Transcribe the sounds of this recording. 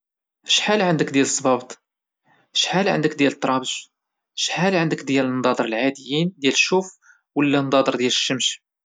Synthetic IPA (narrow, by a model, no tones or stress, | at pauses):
əʃħalʕənd̪əkd̪jæləsˤːbɑbt̪ˤ | əʃħalʕə̰nd̪əkd̪jælət̪ˤːɾˤɑbəʒ | əʃħalʕənd̪əkd̪jælənd̪ˤɑd̪ˤəɾəlʕad̪əjːind̪jælʃːuf | wəlːænd̪ɑd̪ˤəɾd̪jæləʃːəmʃ